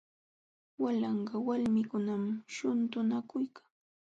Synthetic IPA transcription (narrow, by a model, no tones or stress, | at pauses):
walɑɴɢɑwalmɪkʊnamʃʊnt̪ʊnakʊjkḁŋ